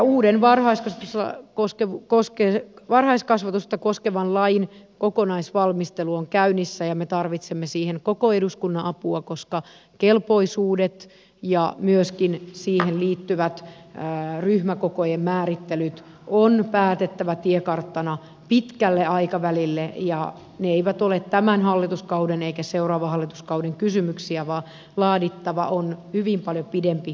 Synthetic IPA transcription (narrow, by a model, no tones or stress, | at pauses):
jɑuːdenʋɑrhɑiskɑsɑusɑ̰koskeukoskeʋɑrhɑiskɑsʋɑt̪ust̪ːɑkoskeʋɑnlɑjinkokonɑisʋɑlmist̪eluoŋkæynːisːæjɑmet̪ɑrʋit̪semːesiːheŋkokoeduskunːɑʔɑpuɑkoskɑ | kelpoisuːdet̪ | jɑmyøskinsiːhenliːt̪ːyʋæt̪ː | ryhmækokojemmæːɾit̪ːelyt̪ | onpæːt̪et̪ːæʋæt̪iekɑrt̪ːɑnɑ | pit̪kælːeɑikɑʋælilːejɑ | neeiʋæt̪olet̪t̪æmænhɑlːit̪uskɑudeneikæseurɑːʋɑhɑlːit̪uskɑuwdeŋkysymyksiæʋɑː | lɑːdit̪ːɑʋɑ̰ʔonhyʋimpɑljopidempi